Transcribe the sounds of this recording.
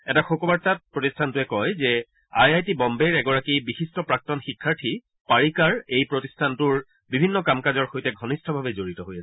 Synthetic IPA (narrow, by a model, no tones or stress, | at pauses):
ɛtaxokɔbaɹtat̚pɹotistʰantʊɛkɔjzɛ | ajajtibɔmbeɹɛɡɔɹakibixistʰɔpɹak̚tɔnxikʰːaɹtʰi | paɹikaɹejpɹotistʰantʊɹ | bibʱinːɔkamkazɔɹxojtɛɡʱɔnistʰɔbʱabɛzoɹitɔɦojasɛ